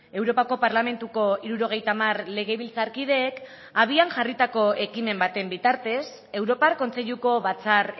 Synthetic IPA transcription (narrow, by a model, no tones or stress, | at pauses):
e̞wɾo̞pako̞paɾlame̞nt̪uko̞iɾuɾo̞ɣ̞e̞jt̪amarle̞ɣ̞e̞βilt͡saɾkið̞e̞ːk | aβ̞ianʝarit̪ako̞e̞kime̞mbat̪e̞mbit̪aɾt̪e̞s | e̞wɾo̞paɾko̞nt͡se̞ʎuko̞βat͡sar